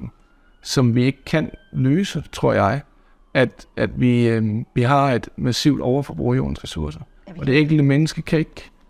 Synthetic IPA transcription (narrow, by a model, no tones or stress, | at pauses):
n̩ | sɒ̽mʋie̝ɡ̥̚kʰænløːsət͡sʰʁo̝ɐ̰jɑ̈ɪ | ʔæd̥æd̥ʋiʋiɦɑ̈e̝d̥mæsiʊd̥ɒʊɐfɒ̽b̥ʁṵɐjo̝ːn̩sʁɛsuɐsɐ | ɒ̽d̥e̝eŋ̰ɡ̥l̩d̥əmenəsɡ̥əkʰæe̝ɡ̥